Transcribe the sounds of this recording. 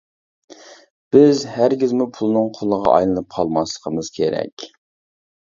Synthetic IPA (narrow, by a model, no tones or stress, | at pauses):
b̥ɪzhæɾɡʲizmupʰulˠɨnɨŋqʰʊlˠəʁɑ̰ʔɑ̰jlˠɨnɨp̚qʰɑlˠmɑslˠəqʰəmɨz̥kʲʰeɾɛ̰kʲ